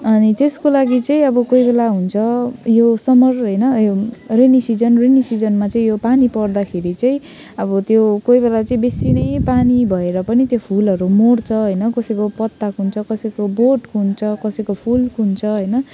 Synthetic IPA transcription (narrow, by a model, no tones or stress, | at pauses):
ʌnit̪eskolaɡit͡sʌĩʌbʌkoibelaɦunt͡sʰʌjosʌmʌrɦʌjnʌjorenisid͡zʌnrenisid͡zʌnmat͡sʌĩjopanipʌrd̪akʰeɾit͡sʌĩ | ʌbʌt̪jokoibelat͡sʌĩbesinʌjpanibʱʌeɾʌpʌnit̪jopʰulʌɾumoɽt͡sʰʌɦʌjnʌkʌsʌjkopʌt̪ːakunt͡sʰʌkʌsʌjkoboʈkunt͡sʰʌkʌsʌjkopʰulkunt͡sʰʌɦʌjnʌ